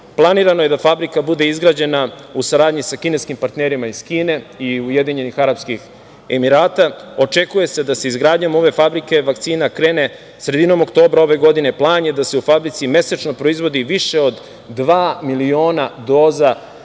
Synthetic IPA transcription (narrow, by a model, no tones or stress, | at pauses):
plˠaniːɾano̞je̞d̪afabɾikabud̪e̞izɡɾaːd͡ʑe̞na | usaɾaːd̪ɲisakine̞skimpaɾt̪neɾimaizkiːne̞iuje̞d̪iɲe̞nixaɾapskix | emiɾaːt̪ao̞t͡ʃe̞kuje̞se̞d̪aseizɡɾaːd̪ɲomo̞ʋe̞fabɾike̞ʋakt̪siːnakɾe̞ːne̞ | sɾe̞d̪ino̞mokt̪o̞ːbɾao̞ʋe̞ɡo̞d̪ine̞plˠaːɲjed̪aseufabɾit̪sime̞sat͡ʃno̞pɾo̞izʋo̞d̪iʋiʃe̞o̞d̪ː | ʋaːmilio̞ːnad̪o̞ːza